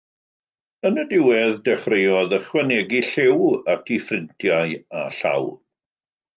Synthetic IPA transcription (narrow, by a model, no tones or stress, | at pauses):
ənədɪwɛðdɛχrejɔðəχwɛnɛɡiɬewatʰifrɪntʰjaɨaɬa̰w